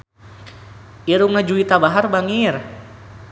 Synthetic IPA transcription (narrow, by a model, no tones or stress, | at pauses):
ʔiɾuŋnad͡ʒuit̪abaɦarbaŋir